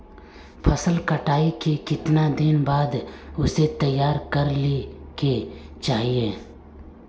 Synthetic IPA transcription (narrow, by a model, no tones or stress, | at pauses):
pʰəsəlkəʈaːikekɪt̪nad̪ɪnbaːd̪ʊset̪ɐjːaːɾkəɾliket͡ʃaːɦieː